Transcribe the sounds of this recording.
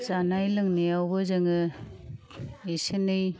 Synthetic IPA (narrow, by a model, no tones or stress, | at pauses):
zanajlɯŋnejawbɯzɯŋɯ | esɯnɯj